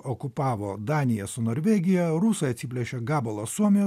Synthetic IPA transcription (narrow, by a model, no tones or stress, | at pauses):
ɔkʊpɑːʋoːd̪ɑːnʲɪjɛsʊnoːɾʲʋʲɛːɡʲɪjɛɾuːsɐɐt̪ʲsʲɪpʲlʲɛʃʲoɡɑːbɐlˠoːsuɔmʲɪjoː